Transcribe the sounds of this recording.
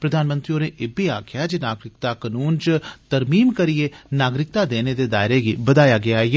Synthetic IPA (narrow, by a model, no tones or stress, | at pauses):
pɾəd̪ʱaːnmə̃nt̪ɾioːneːʔɪbʱiaːkʰɪjaːd͡ʒenaːɡɾɪkt̪aːkənuːnt͡ʃt̪əɾmiːmkəɾienaːɡɾɪk̚t̪aːd̪eːned̪eːd̪aːɪɾeːɡiːbəd̪aːjaːɡɪaːɦeeː